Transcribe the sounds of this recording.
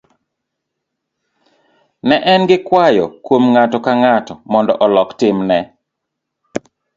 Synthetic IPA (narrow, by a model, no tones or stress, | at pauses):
nɛʔɛnɡɪkwajɔkwomŋatɔkaŋatɔmɔndɔ̰ʔɔlɔktɪmnɛ